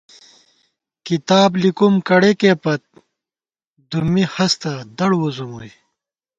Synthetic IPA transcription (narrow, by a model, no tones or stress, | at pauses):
kit̪aːblikumkɐɽekeːpɐt̪̚ | d̪umihɐst̪ɐd̪ɐɽwozomuj